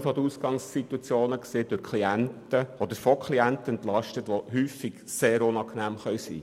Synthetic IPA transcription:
fod̪əusɡɑŋsːit̪wɑt͡sjoːnəkseːd̥ʊɾkʰliæntəɔd̪əɾfɔkʰliænt̪əɛnt̪lɑʃtətʋoɦyːfiɡ̥seːɾʊnɑːknæːmχœwsḭː

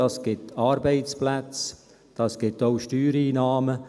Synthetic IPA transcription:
ɑːsɡ̥ɪtɑːɾbeɪt͡splæt͡s | d̥ɑːsɡ̥ɪtoʊʃtyːɾiːnaːmə

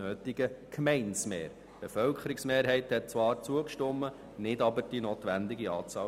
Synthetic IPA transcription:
øːt̪ɪɡ̥əkʰmɛɪnsmḛːɾ | b̥efœlkχəɾɪksmeːɾɦɛɪthɛt̚t͡sʋɑːɾt͡suəkʃtʊmːə | nɪdɑbəɾd̥inoːt̪ʋænd̪ɪɡiɑ̰ːt͡sɑː

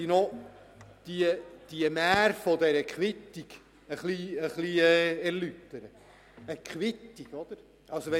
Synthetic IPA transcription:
ino | d̪̥iəd̪̥iəmæːɾfɔd̪ɛɾəkχwɪt̪ːiɡ̥ | əχliəχliɛɛɾlyt̪ːəɾə | əkχʋɪt̪ːiɡ̥ɔd̪̥əɾ | ɑlsoʋɛ

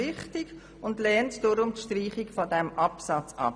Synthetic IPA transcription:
ɪχtɪɡ | ʊndlɛːntd̥ʊɾʊmtʃtriːχɪkfɔdɛmʔɑpsɑt͡sɑ̰

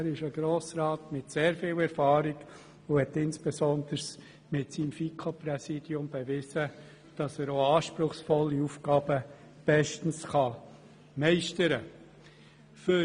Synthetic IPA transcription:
æɾɪʃəɡ̥ɾoːsɾɑːtmɪtseːɾfɪːwɛɾfɑːɾiɡ̥ | ʊhɛtɪnsb̥esɔnd̥̪əɾs | mɪtsiːmfiːkʰoprɛsiːd̥jʊmb̥eʋɪzə | d̥ɑsæːɾoːɑːʃpɾʊχsfɔlːiufɡ̥ɑːb̥ə | b̥ɛʃtn̩sχɑ | mɛɪʃtəɾə | fʏ

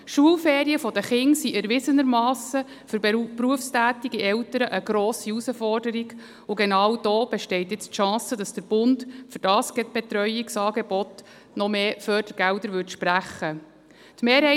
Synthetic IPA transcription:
ʃuəlfeːɾiəfɔd̪əχɪŋsiʔɛɾʋɪsənəɾmɑːsə | fʏɾpɾuəfstæːt̪iɡiʔɛwtəɾəʔəɡɾɔːsiusəfɔrdəɾiɡ | ʊɡɛnɑːwd̥oːb̥ɛʃtɛɪt̪jɪt͡stʃɑ̃ːsədɑsd̥əɾb̥ʊntfʏɾd̥ɑːsɡ̥ɛt̚b̥ɛt̪ɾœjiksɑːɡɛb̥ɔt̪ | nɔmeːfœːd̥əɾɡ̥ældəɾʋʏɾtʃpræχːə | tmeːɾhɛɪ

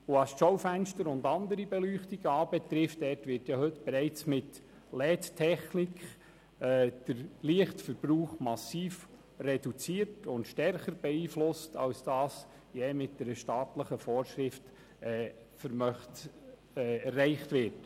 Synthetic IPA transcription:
oɑsʃowfænʃtəɾʊndɑnd̪əɾibɛlyːχtiɡ̥əɑːbɛt̪ɾɪftd̥ɛːtʋɪrtjɑhɵtb̥ɛɾɛɪt͡smɪt | lɛːttʰɛχnikχ | ɛːd̥əɾliəχtfəɾb̥ɾuːχmɑsiːf | rɛd̥ut͡siəɾtʊntʃtɛrχəɾbɛiːflʊstɑ̰wsd̥ɑːs | jɛːmɪt̚dɛɾəʃtɑːtləχəfɔːɾʃɾɪft | ɛː | fəɾmœχt | ɛɛrːɛɪχtʋɪrt

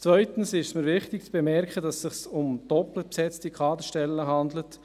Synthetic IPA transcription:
t͡svœʏtən̩sɪʃsməɾʋɪχtɪk̚t͡sb̥ɛmɛɾkχədɑsːɪχsʊmd̥ɔpləpsɛt͡stikʁɑːd̪əʃtɛlːəɦɑnd̪lət

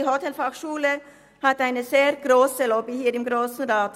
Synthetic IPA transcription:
ɦɔtɛlfaχʃuːlə | hataɪnəzeːʁɡ̥ʁoːsəlɔbihiːɾɪmɡʁoːsn̩ʁaːt

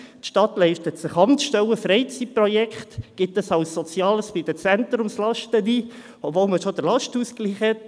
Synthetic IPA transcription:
tʃtɑtlɛɪʃtətsɪχɑnʃtɛləfɾɛɪt͡sit̚prɔjɛkχtɡ̥ɪtəsɑʊsːɔt͡sjɑːləsb̥ɪd̥̪ət͡sɛnt̪ɾʊmslɑʃtədiː | ɔbvolməʃod̥əɾlɑʃtuːskliːχɛt

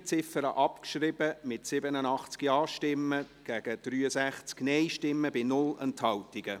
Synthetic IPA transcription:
t͡sɪfəɾəʔɑpkʃrɪbəmɪtsɪbənənɑχt͡skiɑːʃtɪmːə | ɡ̥æɡ̥əd̪̥ryːəsæχt͡sknɛɪʃtɪmːəbɪnʊlənthɑwtɪɡ̥ə

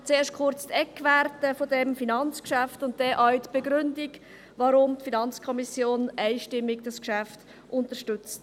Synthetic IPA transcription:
t͡seːɾʃkʰʊɾt͡st̪ɛkːvæɾtəfodɛmfinɑnt͡skʃæftʊnt̚d̥ɛʔaɥtb̥eɡɾʏndiɡ | vɑɾʊmtfinɑnt͡skʰɔmisjoːnæɪʃtɪmːiɡd̥ɑskʃæft | ʔʊntəʃtʏt͡st

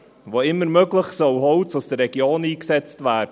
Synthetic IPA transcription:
voɪmːəɾmøɡləχsœwɦɔʊt͡sʊsd̥ərːɛɡjoːniːksɛt͡stvæːd

